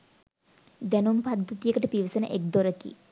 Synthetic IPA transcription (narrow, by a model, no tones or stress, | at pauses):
d̪ɛnumpɐd̪ʱːɐt̪ijəkəʈəpiʋsɐnə̰ʔek̚d̪oɾɐkḭ